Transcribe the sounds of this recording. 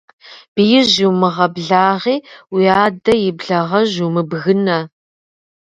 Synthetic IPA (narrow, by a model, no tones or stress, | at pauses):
b̥ɨjɪʑuwmɨʁɐbɮaːʁiːwiaːdɐjɪbɮɐʁɐʑumɨbɣɨnɐ